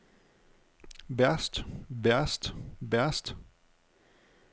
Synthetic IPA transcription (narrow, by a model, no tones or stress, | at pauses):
ʋæɐsd̥ʋæɐsd̥ʋæɐsd̥